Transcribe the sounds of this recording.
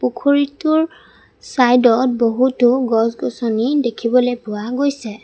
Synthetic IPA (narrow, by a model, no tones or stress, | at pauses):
pukʰoɹitʊɹ | sajdɔt̚boɦutʊɡɔsɡɔsɔnidekʰibɔlojpʊaɡojsɛ